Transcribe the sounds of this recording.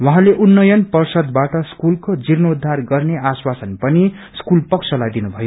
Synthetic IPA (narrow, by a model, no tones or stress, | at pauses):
wʌɦãleʔunːʌjʌnpʌrsʌd̪baʈʌskulkod͡zirnʌud̪ʱːarɡʌrneaswasʌnpʌni | skulpʌksʰʌlajd̪inubʱʌjo